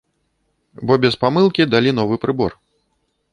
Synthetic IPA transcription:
bɔbʲɛspamɨlˠkʲid̪alʲinɔvɨpɾɨbɔ̰r

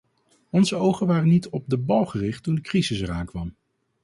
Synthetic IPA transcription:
ɔnzəowχənʋaːrənitɔb̚dəbɑlˠχərɪχtːundəkrizɪsɛɾaːŋkʋɑm

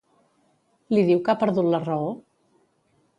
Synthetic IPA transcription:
liðiwkapəɾðut̪lərəo

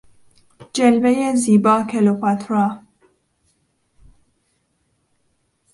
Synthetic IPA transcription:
d͡ʒelvejeziːbɒːkʰelopat̪ʰɾɑː

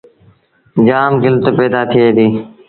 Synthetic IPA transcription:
d͡ʒaːmɡɪlt̪əpeːd̪aːt̪ʰɪeːd̪iː

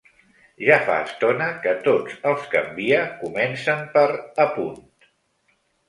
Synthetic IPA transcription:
ʒafa̰əst̪onəkət̪od͡zəlˠskə̰mbiəkumɛnsəmpəɾəpunt̪

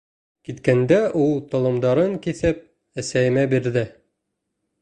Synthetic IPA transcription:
kit̪kænd̪æʔulˠt̪ŏlˠɤ̆md̪ɑɾɤŋkiθɘp̚ | æsæjɘ̆mæbiɾðɘ

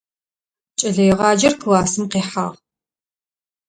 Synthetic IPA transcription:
t͡ʃʼɐɮɐjɪʁɑːd͡ʒɐrkʰɨwɑːsɨmqeːħa̰ːʁ

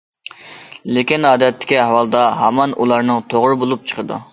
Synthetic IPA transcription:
lekʲinɑːd̪ɛt̪ːɪ̥kʲihɑwɑlˠd̪ɑɦɑmɑnʔulˠɑɾnɨŋt̪ʰoʁɾɨbolˠup̚t͡ʃʰə̥qʰəd̪ṵ

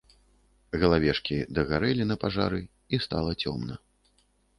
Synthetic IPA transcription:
ɣɐlˠavʲɛʂkʲid̪ɐɣaɾɛlʲinɐpaʐa̰ɾɨ | ist̪a̰lˠɐt͡sʲɔ̰mnɐ

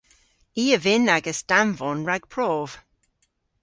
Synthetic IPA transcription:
iːəvɪnaɡəsd̥amvɔnɹaɡ̥̚pʰɹɔːv̥

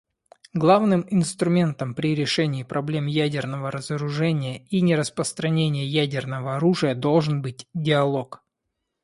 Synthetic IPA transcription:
ɡlˠavnɨmɪnst̪ɾʊmʲe̞nt̪əmpɾʲɪɾʲɪʂɛnʲɪːpɾʔɐblʲe̞mjædʲɪrnəvəɾəzəɾʊʐɛnʲɪjəinʲɪɾəspɾəst̪ɾɐnʲenʲɪjəjædʲɪrnəvəɐɾuʐɨjəd̪o̞lˠʐɨnbɨtʲdʲɪɐlˠo̞k

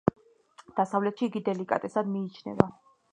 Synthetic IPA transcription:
d̪̥asavlɛt̪ʃiːɡid̪ɛlikʼa̰t̪ʼɛsad̪miːt͡ʃʰnɛ̰va

